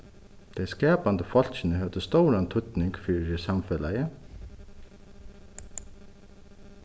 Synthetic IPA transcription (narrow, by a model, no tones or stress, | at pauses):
t̪ʰejskɛːpant̪əfɔl̥t͡ɕɪnəɦɛʋd̪əst̪owɾant̪ʰʊt̪nɪŋkfiːɾɪsamfɛlajə